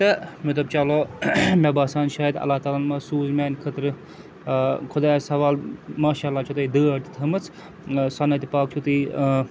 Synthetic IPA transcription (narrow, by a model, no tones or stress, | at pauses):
t̪ɐmɐt̪ɐbt͡ʃalomebaːsaːnʃaːjɐd̪ɐ̰lːaːt̪aːlaːnmasuːzmaːnʲkʰɐt̪ɾɨ | kʰʊd̪aːsɐʋaːlmaːʃaːlːaːt͡ʃʰut̪ɐid̪ɨːɐɾt̪it̪ʰɐmɨt͡sʰ | sɐnːɐt̪ipaːk̚t͡ʃʰut̪i